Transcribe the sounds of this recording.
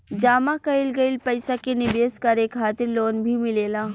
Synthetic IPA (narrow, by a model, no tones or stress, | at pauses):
d͡ʒaːmakɐɪlɡɐɪlpɐɪsakenɪbeːskɐɾeːkxaːt̪ɪɾloːnbʱimɪleːlaː